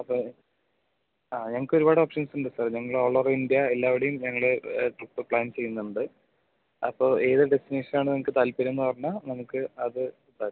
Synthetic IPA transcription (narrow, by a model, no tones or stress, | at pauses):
ɐpːo | aːɲɐŋɐɭkːɨo̞ɾubaːɽɨoːpʂɐnsuɳɖɨsɐrɲɐŋːɐɭoːɭoːrind̪jɐelːaːʋiɽejumɲɐŋːɐɭeʈruʈːɨpɭaːnt͡ɕe̞junːɐuɳɖɨ | ɐ̰pːo̞ːʔe̞ːðɨɖe̞st̪ine̞ːʂɐnaːɳɨnɐmːɐkːɨt̪aːlpɐɾuenːɨpɐrɐɲːanɐmukːɨɐðɨ | t̪a